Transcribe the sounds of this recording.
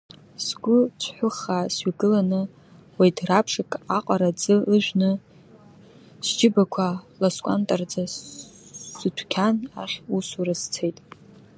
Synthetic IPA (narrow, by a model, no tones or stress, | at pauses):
sɡʷʊt͡ʃʷʰħʷʊχasɥiɡɨlanɨ | wajdʰrapʰʂakʼaqʼaɾad͡zɨɨʒʷᶣnɨ | sd͡ʒɪbakʷʰalaskʷʼa̰ntʼard͡zaː | ɨtʷʰkʲʰanaχʲusuɾɨzt͡sʰejtʼ